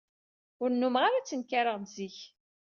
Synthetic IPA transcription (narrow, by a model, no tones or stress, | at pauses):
ʊɾnːumʁaɾat͡sːənkaɾəʁnziç